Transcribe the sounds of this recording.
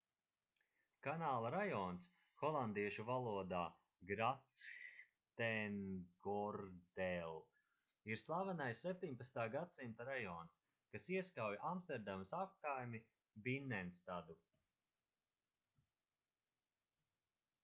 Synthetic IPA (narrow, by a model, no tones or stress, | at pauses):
kanaːlˠaɾajɔːns | xɔlˠand̪iɛʃuvalˠuɔd̪aː | ɡɾat̪sx | t̪ɛnɡɔɾd̪ɛlˠ | iɾslˠavanajsːep̚ʲt̪iɲpat̪st̪aːɡad̪simt̪aɾajɔːns | kasiɛskawjaʔamst̪ɛɾd̪amsap̚kajmi | binːɛnst̪ad̪u